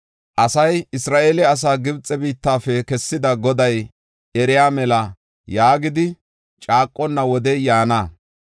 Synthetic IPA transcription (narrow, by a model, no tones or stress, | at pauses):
ʔɐsɐjɪsɾaːʔeːlɛɐs̬aːɡɪbt͡sʼɛbiːt̪ːaːfɛkɛsːɪd̪ɐɡɔd̪ɐj | ʔɛɾɪjaːmɛlɐ | jaːɡɪd̪ɪ | t͡ʃʼaːkʼːɔnːɐwɔd̪ɛjaːna